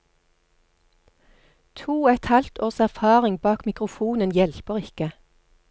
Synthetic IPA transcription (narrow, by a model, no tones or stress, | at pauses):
t̪ʰuːæt̪ɑlt̪ʰoːʁsæʁfɑːʁɪŋbɑːkmɪkʁʊfuːnənjɛlpəʁɪkə